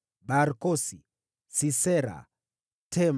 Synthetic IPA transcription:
baɾkɔsi | sisɛɾa̰ | tʰɛm

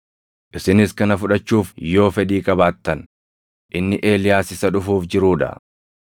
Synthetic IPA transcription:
ʔɪsɪnɪskɐnɐfʊᶑɐt͡ʃːuːfjo̞ːfɛd̪iːkʼɐbaːt̪ːɐn | ʔɪnːɪʔe̞ːlɪjaːsɪsɐᶑʊfuːfd͡ʒɪɾuːᶑɐ̰

